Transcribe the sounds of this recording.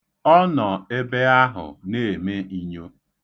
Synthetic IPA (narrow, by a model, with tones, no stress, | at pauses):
ɔ˦nɔ˨e˦be˦a˦ɦʊ̰˨ne˦˨me˦i˦ɲo˦